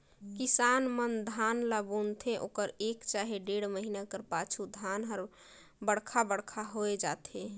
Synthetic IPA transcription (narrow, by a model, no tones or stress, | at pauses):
kisanmənd̪ʱanlabunt̪ʰẽʔokəɾekt͡ʃaɦeɖeɽməɦinakəɾpat͡ʃʰud̪ʱanɦəɾ | bəɽkʰabəɽkʰaɦoed͡ʒat̪ʰe